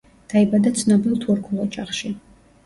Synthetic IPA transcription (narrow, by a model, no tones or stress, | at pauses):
d̪̥aibad̪at̪sʰnɔbilˠt̪ʰuɾkʰulˠɔt͡ʃʼaχʃi